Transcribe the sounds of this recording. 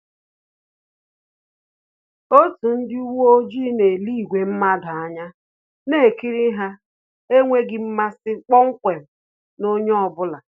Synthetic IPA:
o˦tu˨n̩˦dɪ˦u˦wu˦o˦d͡ʒi˦ne˨li˦˨ɡʷe˨m̩˦ma˦dʊ˨a˦ɲa˦ | ne˦e˨ki˦ɾi˦ɦa˦ | e˦ŋʷe˦ɡɪ˨m̩˦ma˦sɪ˦k͡pɔ˦ŋ̩˦kʷe˨m̩˨ | no˦ɲ˦ɔ˨bʊ˦la˨

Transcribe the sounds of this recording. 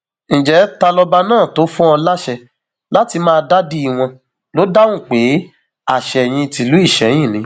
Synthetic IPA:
ñ̩˨d͡ʒɛ˨˦ta˧lɔ˧ba˧nãː˦˨to˨˦fũ˦ɔ̃˧la˦ʃɛ˧ | la˦ti˧mãː˦˧da˦di˧˦i˨w̃ɔ̃˧ | lo˦da˦wũ˦˨k͡pe˨˦ | a˦˨ʃɛ˨j̃ĩ˧ti˨˧lu˨˦i˦˨ʃɛ˨˦jĩ˦˨nĩ˨˦

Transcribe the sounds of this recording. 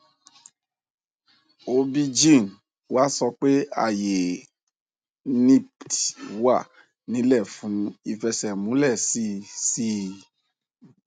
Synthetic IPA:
o˧bi˧d͡ʒĩ˦˨n | wa˦sɔ˧k͡pe˦a̰˦˨je˨ | nĩ˦˨ttwa˦˨ | nĩ˨˦lɛ˦˨fũ˨˦i˧fɛ˧sɛ˨mũ˨˦lɛ˦˨si˦˨si˦

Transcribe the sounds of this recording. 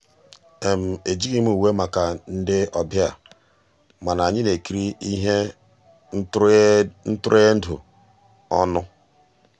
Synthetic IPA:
e˨m̩˨e˨d͡ʒi˦ɡi˦mu˦˨u˨we˦ma˨ka˨n̩˦dɪ˦ɔ˨bja˨ | ma˨na˨ɲɪ˦ne˨ki˦ɾi˦i˦ɦe˦ | n̩˦tʊ˦ɾe˦n̩˦dʊ̰˨ | ɔ̰˦nʊ˦

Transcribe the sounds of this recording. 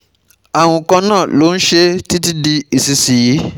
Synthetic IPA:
a˨w̃ɔ̃˧kɔ̃˧nãː˦˨lo˨˦n̩˦ʃe˦ti˦ti˦di˧i˨si˧si˨ji˨˦

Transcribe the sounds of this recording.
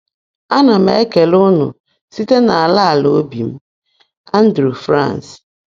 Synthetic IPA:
a˦na˨mḛ˦ke˨lʊ˦nʊ̰˨ | si˦te˦na˨a˨la˦a˨lo˨o˦bi˨m̩˦ | a˦n̩˦dɾu˨fɾã̰˦˨ns

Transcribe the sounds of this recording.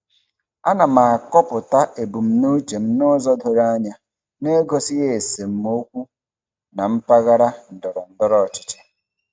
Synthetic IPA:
a˦na˨ma˨kɔ˦pʊ˨ta˦ʔe˨bu˨m̩˨˦no˦t͡ʃe˨m̩˦no˦zɔ˦dʊ˨ɾa˦ɲa˦ | ne˦ɡo˦sɪ˦ɣe˨se˨m̩˦mo˦kʷu˦ | na˨m̩˦pa˦ɣa˦ɾa˦n̩˨dɔ˨ɾɔ˨n̩˦dɔ˦ɾɔ˦˨t͡ʃɪ̥˨t͡ʃe̥˨

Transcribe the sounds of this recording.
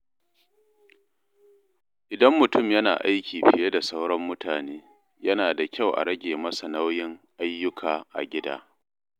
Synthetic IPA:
ʔɪ˨dɐ˦mːʊ˨tʊ˦˨mjɐ˦na̰ː˨ʔa˦jkʲʰiː˨ɸɪ˨je˦da˨sɐ˦wɽɔ˦mːʊ˦tʰaː˨neː˦ | jɐ˦naː˨da˨kʲa˦˨wʔa̰˨ɾɐ˦ɡʲeː˨mɐ˦sa˨na˦wjɪ˦ŋʔa˦jːʊ˦kʰaː˨ʔa̰˨ɡʲɪ˦da̰ː˦

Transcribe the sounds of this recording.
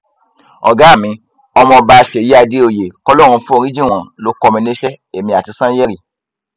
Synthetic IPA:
ɔ̰˨ɡa˨˦˨mĩ˧ | ɔ˧mɔ̃˧ba˧˦˧ʃe˨ji˦a˧de˦o˧˨je˨kɔ˧lɔ˦˨ɾ̃ũ˧fũ˦o˦˧ɾ̃ĩ˦d͡ʒĩ˦˨w̃ɔ̃˨lo˧˦kɔ˧mĩ˧ne˦ʃɛ˦ | e˨mĩ˧˨a˨ti˧sã˦jɛ˦ɾi˦˨

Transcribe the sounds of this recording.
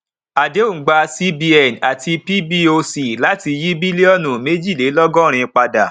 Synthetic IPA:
a˨de˨˦o˦˨ɡ͡ba˧si˦bi˧ɛ˨na˨ti˧pi˦bi˦o˧si˨la˦ti˧ji˦bi˦lɔ˦˨nũ˨me˦d͡ʒi˦˨le˨˦lɔ˦ɡɔ̃˦˨ɾ̃ĩ˧k͡pa˧da˨

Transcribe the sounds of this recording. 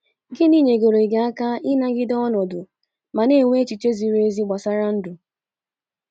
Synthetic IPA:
ɡɪ˦niː˦˨ɲe˨ɡo˨ɾe˨ɡa˨a˦ka˦ɪ˦na˦ɡɪ˦dɔ˦nɔ˨dʊ˨ | ma˨ne˦˨ŋʷe˦e˦t͡ʃi˨t͡ʃe˦zi˨ɾe˦zi˦ɡ͡ba˨sa˦ɾa˦n̩˦dʊ˨

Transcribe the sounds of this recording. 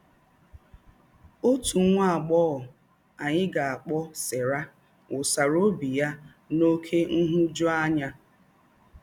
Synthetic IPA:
o˦tu˨˦ŋʷa˦a˨ɡ͡bɔ˦ɔ˨ | a˨ɲɪ˦ɡa˨a˨k͡pɔ˦se˨ɾa˦ | ʊ˨sa˨ɾo˦bi˨ja˦ | no˦kʰe˦n̩˦ɦʊ˦d͡ʒɔ˦a˦ɲa˦

